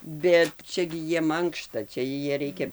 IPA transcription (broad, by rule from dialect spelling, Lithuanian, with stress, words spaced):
ˈbʲɛt ˈt͡ʃʲɛ ɡʲɪ ˈjiɛm ˈɐŋkʃtɐ ˈt͡ʃʲɛ ˈjiɛ ˈrʲɛɪkʲɛ